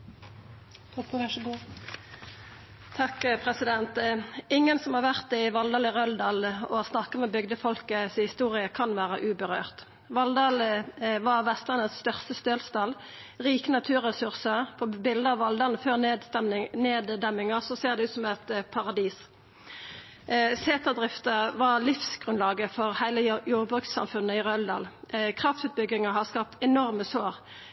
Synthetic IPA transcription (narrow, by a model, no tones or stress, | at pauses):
ɡ | t̪ʰɑkpʰʁɛsɪd̪ɛnt̪ɪŋːənsɔmhɑːʁʋæʁt̪ɪʋɑld̪ɑːlɪʁœld̪ɑːlɔ̰ɑsnɑkːəmɛbʏɡd̪əfɔlkəshɪst̪uːʁɪəkʰɑnʋæːʁə̰ʔʉːbəʁø̰ːʁt̪ | ʋɑld̪ɑːlʋɑʁʋɛst̪ʁənəsst̪œʁst̪əst̪øːlst̪ɑl | ʁiːkənɑt̪ʰʉːʁɛsʉʁsəpʰɔbɪld̪əɑːʋɑld̪ɑʁnføːʁ | neːd̪d̪ɛmːɪŋɑsɔseːʁd̪ɛʉːt̪sɔmɛt̪pʰɑʁɑd̪iːs | seːt̪ɑd̪ʁɪft̪əʋɑlɪfsɡ̥ʁʉnlɑːɡəfɔʁhæɪləjuːʁbʁʉkt̪sɑ̰mfʉnːəɪʁœld̪ɑ̰ːlkʰʁɑft̪sʉːt̪̚bʏɡɪŋəɦɑskɑːp̚t̪ɛnɔʁməsoːʁ